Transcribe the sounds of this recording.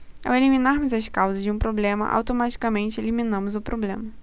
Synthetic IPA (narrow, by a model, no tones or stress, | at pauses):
a̰weliminaɾmʊzɐskawzɐzd͡ʒɪũpɾoblẽmɐ̰ʔa̰wt̪omat͡ʃi̥kɐmẽnt͡ʃɪelimĩnɐ̃mʊzʊpɾʔoblẽmɐ